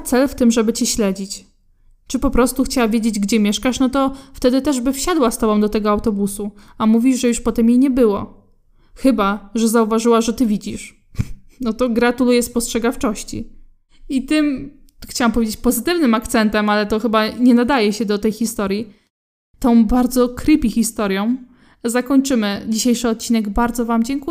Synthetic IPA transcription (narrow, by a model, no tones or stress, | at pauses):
t̪sɛlft̪ɘmʐɛbɘt͡ɕiɕlɛd͡ʑit͡ɕ | t͡ʂɘpɔpɾɔst̪uxt͡ɕawavʲjed͡ʑed͡ʑɡd͡ʑɛmʲjɛʂkaʂnɔt̪ɔft̪ɛd̪ɘt̪ɛʐbɘfɕad̪wast̪ɔbɔ̃w̃d̪ɔt̪ɛɡɔawt̪ɔbusuamuvʲiʐʐɛjuʂpɔt̪ɛmjejɲɛbɘwɔ̰ | xɘbaʐɛzauvaʐɘwaʐɛt̪ɘvʲid͡ʑiʂ | nɔt̪ɔɡɾat̪ulujɛspɔstʂɛɡaft͡ʂɔɕt͡ɕḭ | it̪ɘm | xt͡ɕawampɔvʲjed͡ʑet͡ɕpɔzɘt̪ɘvnɘmakt̪sɛnt̪ɛmalɛt̪ɔxɘbaɲɛnad̪ajɛɕɛd̪ɔt̪ɛjxʲist̪ɔɾji | t̪ɔ̃w̃baɾd̪zɔkɾɘpʲixʲist̪ɔɾjɔ̃w̃ | zakɔɲt͡ʂɘmɘd͡ʑiɕejʂɘɔt̪̚t͡ɕinɛɡbaɾd̪zɔvamd͡ʑɛŋku